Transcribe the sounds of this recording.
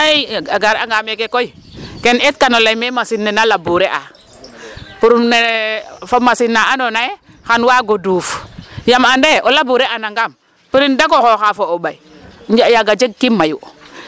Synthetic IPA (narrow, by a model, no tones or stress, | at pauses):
aiaɡaɾaŋɡamɛkɛkoikɛnɛt̚kanolajmɛmasinːɛnalabuɾɛʔa | puɾumnefomasinːaʔanonajɛ | xanwaɡodufjamandeʔɔlabuɾɛʔanaŋɡam | piɾindakɔxoxafoobaid͡ʒajaɡad͡ʒeɡ̚kimːaju